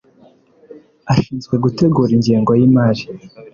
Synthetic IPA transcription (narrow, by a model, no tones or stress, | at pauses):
aʃiːnzɡwe̞ɡute̞ɡuɾiɲɟiːŋɡo̞jimaɾi